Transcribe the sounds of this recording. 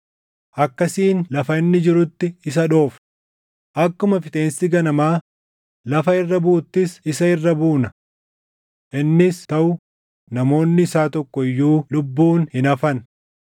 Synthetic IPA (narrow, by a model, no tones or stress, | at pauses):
ʔɐkːɐsiːnlɐfɐɪnːɪd͡ʒɪɾʊt̪ːɪɪs̬ɐᶑo̞ːf | ʔɐkːʊmɐfɪt̪ʼe̞ːnsɪɡɐnɐmaː | lɐfɐɪrːɐbuːt̪ːɪsɪsɐɪrːɐbuːnɐ | ʔɪnːɪst̪ɐʔʊ | nɐmo̞ːnːɪːsaːt̪ɔkːɔɪjːuːlʊbːuːnhɪnɐfɐn